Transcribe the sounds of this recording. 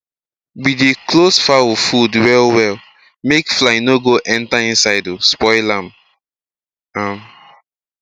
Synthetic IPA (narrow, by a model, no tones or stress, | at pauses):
wideklosfawɔfudwɛlwɛl | mekflajnoɡoʔɛ̃ntaĩnsaɪduspɔɪlãm | ãm